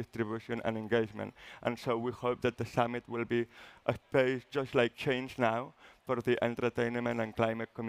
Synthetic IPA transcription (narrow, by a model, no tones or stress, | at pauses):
ɪstɾɪbjuʃə̃nʔə̰̃nɛ̃nɡeɪd͡ʒmə̰̃ntʔə̰̃nsoʊwihoʊp̚ðət̪̚ðəsʌmɪt̚ʰwɪlˠbiʔəpeɪsd͡ʒʌstlaɪk̚t͡ʃʰẽɪ̃nd͡ʒnaʊwfəɾðiʔɛ̃ntə˞tʰẽɪ̃nmə̃ntə̃nkʰl̥aɪmət̚kʰɔm